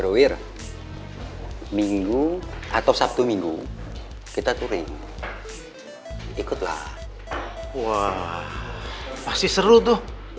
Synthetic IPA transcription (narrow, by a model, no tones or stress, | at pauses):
ɾowɪr | miŋɡuʔat̪awsap̚t̪umiŋɡu | kit̪at̪uɾɪŋ | ikʊt̪la̰h | wa | past̪isəɾut̪ʊh